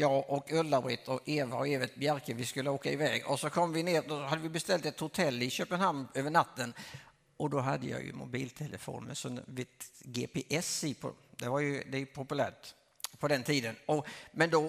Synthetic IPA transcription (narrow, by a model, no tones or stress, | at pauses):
jɑːʔɔkɵlːaɾbɾɪt̪ʰɔeːvaɔeːvət̪̚bjæɾkəvɪskɵlːəoːkaɪvɛ̰ːɡɔsɔkʰɔmːvɪneːɾd̪ɔhad̪ːəvɪbɛst̪ɛlt̪ɛt̪hʊt̪ʰɛlːɪɕøːpənhamnøːvəɳat̪ːən | ɔd̪ɔɦad̪ːəjɑ̰ːjɵ̰mʊ̰biːlt̪ʰɛlʔəfo̰ːnmɛ̰sɔvɪt̪ɡeːpeʔɛsipʰɔ̰d̪ɛvaɾjɵd̪ɛjpʰʊpɵlæːʈ | pʰɔd̪ɛnt̪ʰiːd̪ənɔmɛnd̪ɔ